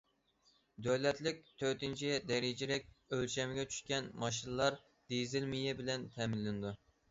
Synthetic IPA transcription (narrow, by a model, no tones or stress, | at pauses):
d̪øwlɛt̪lɪk̚ʲt̪ʰøt̪ɪnt͡ʃʰid̪ɛɾɪd͡ʒiɾɛkʲølʃɛmɪɡʲɛt͡ʃʰy̥ʃkʲɛnmɑʃ̬inɨlˠɑɾ | d̪̥ezɪlmijɛbɪlɛnt̪ʰɛmɪnlːɪnɨd̪u